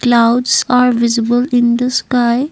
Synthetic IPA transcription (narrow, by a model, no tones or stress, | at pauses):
klaʊɖsaɾʋɪzibəlĩnd̪əskaɪ